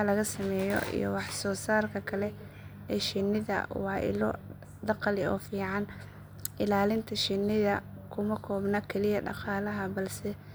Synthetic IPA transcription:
lɐɣɐsɐmɛːjɔ̰ʔḭjɔ̰wɑħsɔːsaːrkʰɐkʰɐlɛ | ɛːʃɪnːɪðɐ̰wɑːʔɪ̰lɔ | d̪ɑqɑlɪɔ̰ːfiːʕɑn | ʔɪlaːlɪnt̪ʰɐʃɪnːɪðɐ | kʰʊmɐkʰɔːbnɐkʰɛlɪjɐɖɑ̰qɑːlɐɦɐbɐlsɛ

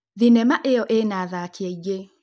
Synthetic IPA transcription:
ðinɛmaʔeɔʔenaðakiɛiɡe

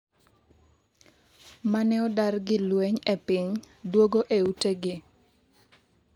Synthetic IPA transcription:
manɛɔdarɡɪlweɲepɪɲ | dwoɡoʔeuteɡɪ

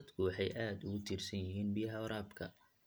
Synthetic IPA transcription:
d̪kʰʊwɑħɑjʔaːd̪ʊɣʊt̪ʰiːrsɐnjɪɦiːnbijɐɦɐwɾaːbkʰɐ̰

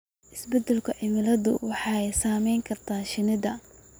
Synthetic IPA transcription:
ʔɪsbɛd̪ɛlkʰʊʕɪmɪlɐðʊ̰wɑħɑːjsaːmɛjŋkʰɐrt̪ʰaːʃɪnɪðɐ

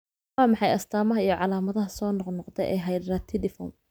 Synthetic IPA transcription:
wɑːmɑħɑjɐst̪ʰaːmɐɦɐijɞʕɑlaːmɐðɐɦɐsɔːnɔqnɔqt̪ʰɛjʔɛ̰jɦɐjdaːt̪ʰɪlɪfɔ̰ːm

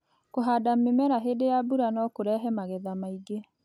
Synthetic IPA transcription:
koɦadamemɛɾaɦedejabuɾanɔkoɾɛɦɛmaɣɛðamaiɡe

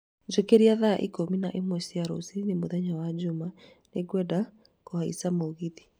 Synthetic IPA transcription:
d͡ʒokeɾiaðaʔikominaʔimwɛsijaɾo̰sinemoðɛɲawad͡ʑomaneɡwɛda | kohaḭsamoɣiði

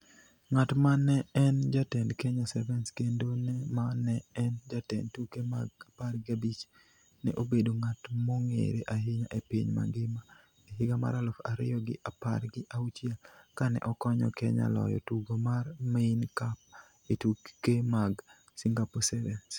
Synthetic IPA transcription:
ŋatmanɛɛnd͡ʒatɛndkɛɲasɛvɛnskendonɛmanɛɛnd͡ʒatɛ̰ndtukema̰ɡapaɾɡɪabit͡ʃ | nɛ̰ʔobedoŋatmoŋḛɾeʔaɦɪɲa̰ʔepiɲma̰ɡɪma | eɦɪɡama̰ɾalɔfaɾɪjɔɡɪʔapa̰rɡɪʔaut͡ʃɪɛlkanɛ̰ʔɔkɔɲɔ̰kɛɲa̰lɔ̰jɔ̰tuɡomarmeinkap̚ | etukkemaɡ | siŋɡaposɛvɛns

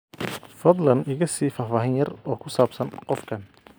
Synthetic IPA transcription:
fɐd̪lɐnɪɣɐsiːfaːfaːɦɪnjɐrɔːkʰʊsaːbsɐnqɔfkʰɐn

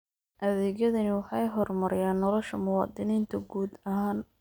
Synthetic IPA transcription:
ʔɐðɛːɣjɐðɐnɪwɑħɑjɦɔrmɐɾɪjaːnːɔlɔʃɐmʊwɑːd̪ɪniːnt̪ʰɐɡuːd̪ɐɦaːn

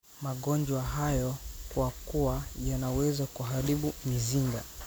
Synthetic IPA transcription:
maɠɔnd͡ʒwaɦajɔkwakuwajanawɛzakuɦaɾiɓumiziŋɡa

